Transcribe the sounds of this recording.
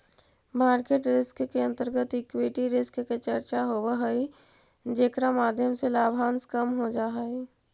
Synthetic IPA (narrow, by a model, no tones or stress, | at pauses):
maːɾkeːʈɾɪskkeə̃nt̪əɾɡət̪ɪkweʈiɾɪskket͡ʃəɾt͡ʃaɦobeɦəi | d͡ʒeːkɾamaːd̪ʱjəmselaːbʱaːnskəmɦod͡ʒaːɦi